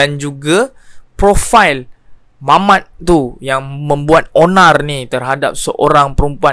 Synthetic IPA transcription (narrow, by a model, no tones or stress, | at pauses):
and͡ʒuɡa | pɾofajl | mãmãt̪̚t̪ujaŋmə̃mbuat̪̚onãrnit̪ərɦadap̚səʔoɾaŋpəɾumpua